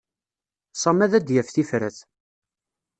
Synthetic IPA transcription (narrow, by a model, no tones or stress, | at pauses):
sˤɑmæðæd̪jæfθifɾæ̰θ